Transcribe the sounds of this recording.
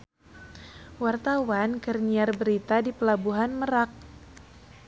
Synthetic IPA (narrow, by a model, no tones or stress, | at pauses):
wart̪awankərniarbəɾit̪adipəlabuɦanməɾak̚